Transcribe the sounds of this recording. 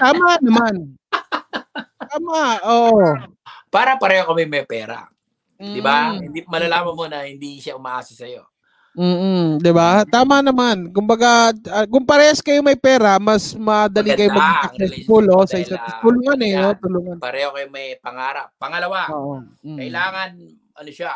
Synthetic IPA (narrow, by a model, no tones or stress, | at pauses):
t̪aːmɐnɐman | t̪aːmaʔoːʔo | paːɾɐpɐɾɛːhokɐmɛmɐjpɛːɾɐ̰ | m̩ːd̪ɪbahɪnd̪imɐlɐlaːmɐnmonɐhɪnd̪iʃaʔʊmaʔaːsɐsɐjo | m̩ːd̪ɪbat̪aːmɐnɐmankʊmbɐɡaɐkʊŋpɐɾɛɐskɐjomɐjpɛːɾɐmɐsmɐd̪ɐlikɐjoŋmɐɡɪɐk̚sɛsfʊlʔo̞sɐɪsɐt̪st̪ʊluːŋɐnɐjot̪ʊluŋɐnpɐɾɛːhokɐjomɐjpɐŋaːɾɐp̚pɐŋɐlɐwaoːʔo | kɐʔɪlaːŋɐn | ʔɐnoʃa